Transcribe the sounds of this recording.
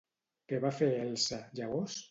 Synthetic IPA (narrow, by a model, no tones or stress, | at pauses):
keβafeɛlsaʒaɣos